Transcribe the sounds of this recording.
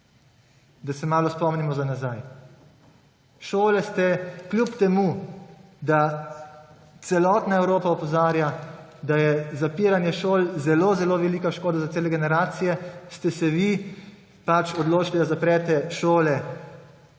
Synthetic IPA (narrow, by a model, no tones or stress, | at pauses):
d̪asɛmaːlɔspɔmnimɔzanazaj | ʃoːlɛst̪ɛklʲjupt̪ɛmu | d̪a | t̪sɛlɔːt̪naɛwɾoːpaɔpɔzaːɾjad̪ajɛzapiːɾanjɛʃoːlzɛlozɛloʋɛliːkaʃkoːd̪azat̪seːlɛɡɛnɛɾaːt̪sijɛst̪ɛsɛʋi | pat͡ʃɔd̪loːt͡ʃlid̪azapɾɛːt̪ɛʃoːlɛ